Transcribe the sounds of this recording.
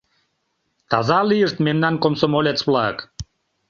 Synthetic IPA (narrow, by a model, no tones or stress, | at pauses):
t̪ɑ̰zɑlijəʃt̪memnɑnkomsomolʲet̪t͡sβlɑə̰k